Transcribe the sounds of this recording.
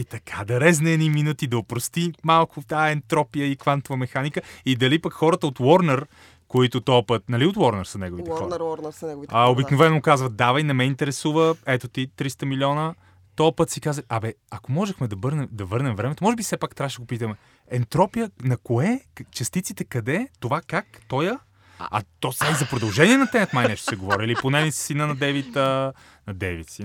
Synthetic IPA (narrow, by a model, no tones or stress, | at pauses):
it̪ɐkʰad̪ɐɾɛznɛɛd̪niminut̪id̪ɐopɾost̪imalˠkʊt̪aɛnt̪ɾɔpijəikvant̪ovəmɛxanikəid̪ɐlipəkxɔɾət̪əot̪wɔɾnɛɾ | koit̪ʊt̪ɔpət̪̚nɐliot̪wɔɾnɛɾsɐnɛɡovit̪xɔɾnɛɡ̪aobiknovɛnokazvəd̪avɐjnɛmɛint̪ɛɾɛsuvəɛt̪ot̪it̪ɾist̪əmiliɔnə | t̪ɔpɤt̪sikazəiʔɐbɛɐkomɔʒɛxmɛd̪ɐvɤɾnɛmd̪ɐvɤɾnɛmvɾɛmɛt̪omɔʒɛbisɛpakt̪ɾaʃɛɡopit̪əmɛ | ɛnt̪ɾɔpijənɐkoɛt͡ʃɐst̪it̪sit̪ɛkɐd̪ɛt̪ovakakt̪ɔjə | ɐ̰t̪ɔsaizɐpɾod̪ɐlˠʒɛniɛnɐt̪ɛmət̪majnɛʃt̪o̥sɛɡovɔɾiiliponɛnissinənɐd̪ɛvit̪ə | nɐd̪ɛvit̪si